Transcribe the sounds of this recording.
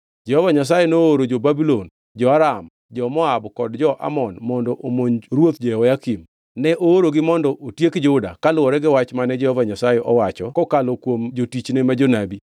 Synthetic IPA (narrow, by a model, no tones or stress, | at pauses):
d͡ʒɛhɔvaɲas̬ajenooɾod͡ʒobabilon | d͡ʒɔaɾam | d͡ʒɔmɔabkɔdd͡ʒɔʔa̰mɔnmɔndɔʔomoɲɾwot̪d͡ʒɔɛwɔjakim | nɛʔooɾoɡɪmɔndɔʔotjekd͡ʒʊda̰kalwɔɾɛɡɪwat͡ʃmanɛd͡ʒɛhɔvaɲasajeʔɔwat͡ʃɔkɔkalɔkwomd͡ʒotit͡ʃnemad͡ʒonabi